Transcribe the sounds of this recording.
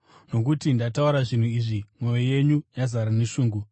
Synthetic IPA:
no̞k̬utindatauɾaʐin̤uiːʐimwo̞jeje̞ɲujazaɾaneʃuːŋɡu

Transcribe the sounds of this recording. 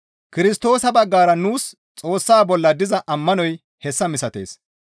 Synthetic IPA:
kɪɾɪst̪o̞ːsɐbɐɡːaːɾɐnuːs | t͡sʼo̞ːsːaːbɔlːɐd̪ɪzɐʔɐmːɐnɔj | hɛsːɐmɪsɐt̪e̞̰ːs

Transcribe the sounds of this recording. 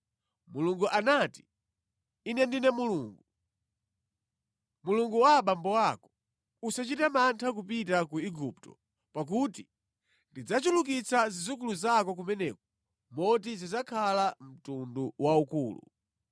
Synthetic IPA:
muluŋɡuʔanati̥ | inɛndinɛmuluːŋɡu | muluŋɡuwaɓambɔwakɔ̥ | usat͡ʃitamantʰak̬upitakuiɡuptɔ̰ | pak̬uti | ndid͡zat͡ʃuluk̬it͡sazizukuluzak̬ɔk̬umɛnɛkɔ | mɔt̬izizakʰalam̩tunduwaukuːlṵ

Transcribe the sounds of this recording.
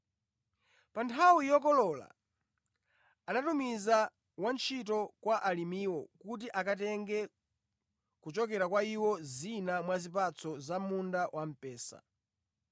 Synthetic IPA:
pantʰawujɔkɔlɔla̰ | anatumiza | want͡ʃʰit̬ɔkwaʔalimiːwɔkut̬iʔakatɛŋɡɛ | kut͡ʃɔkɛɾakwaiwɔzinamwazip̬at͡sʰɔzamundawam̩pɛːsa̰

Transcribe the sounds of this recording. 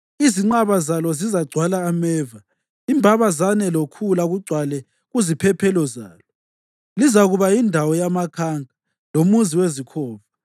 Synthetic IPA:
iziŋ͡ǃaβazalɔzizaɡ͡ǀʱwalaːmɛːva | imbʱaβazanɛlokʰulaɣuɡ͡ǀʱwalɛ | ɣuzipʰɛpʰɛlɔza̰ːlɔ | lizaɣuβaindʱawɔjamakʰaŋʱa | lomuziwezikʰɔːvu

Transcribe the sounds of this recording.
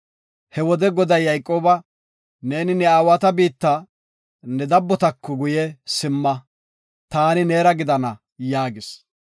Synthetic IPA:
hɛwɔd̪ɛɡɔd̪ɐjːɐjkʼːoːbɐ | ne̞ːnɪnɛaːwɐt̪ɐbiːt̪ːɐ | nɛd̪ɐbːɔt̪ɐkːɔɡʊjɛsɪmːɐ | t̪aːnɪneːɾɐɡɪd̪ɐnɐ | jaːɡɪs

